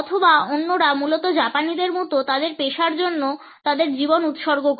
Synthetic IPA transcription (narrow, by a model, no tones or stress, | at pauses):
ɔt̪ʰobaonːoɾamulot̪od͡ʑapanid̪eɾmut̪ot̪ad̪eɾpeʃaɾd͡ʑonːo | t̪ad̪eɾd͡ʑibonut̪ʃɔɾɡok